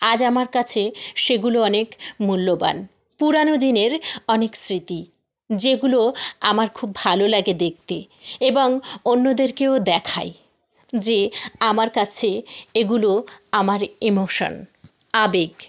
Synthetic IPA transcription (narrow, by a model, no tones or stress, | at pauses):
ad͡ʑamaɾkat͡ɕʰeʃeɡuloɔnekmulːoba̰n | puɾanod̪ineɾɔneksɾit̪i | d͡ʑeɡuloamaɾkʰubːʱalolaɡed̪ek̚t̪e | eboŋonːod̪eɾkeod̪ɛkʰa̰j | d͡ʑeamaɾkat͡ɕʰeeɡuloamaɾimoʃo̰n | abeɡ